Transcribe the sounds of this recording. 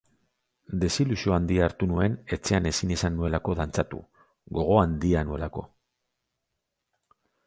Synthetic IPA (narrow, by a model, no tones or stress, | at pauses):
d̪e̞silusio̞and̪iaːɾt̪unue̞ne̞t͡se̞ane̞sinisanːue̞lako̞ðant͡sat̪ṵ | ɣo̞ɣ̞o̞and̪ianue̞lako̞̰